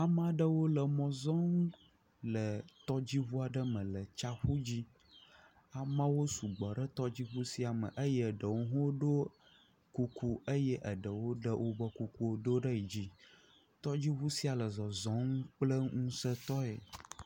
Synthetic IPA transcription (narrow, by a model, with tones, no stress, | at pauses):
a˨mã˦ɖə˦wo˦lə˨mɔ̃˨zɔ˦ŋ˦ | lə˨t̪ɔ˦d͡ʑi˦βu˦a˨ɖə˦mə̃˨lə˨t͡ʃa˦xu˦d͡ʑi˦ | a˨mã˦wo˦su˨ɡ͡bɔ˨ɖə˦t̪ɔ˦d͡ʑi˦ɸu˦si˦a˨mə̰˨ʔə˦jə˦˨ɖə˨wo˦ɦõ˦o˦ɖo˦ | ku˨kʰu˦ə˦jə˦ʔə˨ɖə˨wo˦ɖə˦wo˦bə˦ku˨ku˦wo˦ɖo˦ɖə˦i˨d͡ʑi˦ | t̪ɔ˦d͡ʑi˦ɸu˦si˦a˨lə˨zɔ˨zɔ̃˨˦ŋu˦k͡plə˦ŋũ˦sə˦t̪ɔ˦ḛ˨